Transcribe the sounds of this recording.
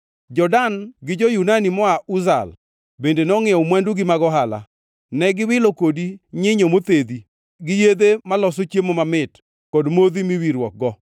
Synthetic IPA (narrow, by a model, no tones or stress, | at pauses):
d͡ʒɔdanɡɪd͡ʒɔjunanimɔauza̰l | bendenɔŋɪɔmwanduɡɪmaɡɔɦala̰ | nɛɡɪwɪlokodiɲɪɲomot̪ed̪i | ɡɪjed̪emalɔsot͡ʃjemomamɪt | kɔdmod̪imiwiɾwɔk̚ɡɔ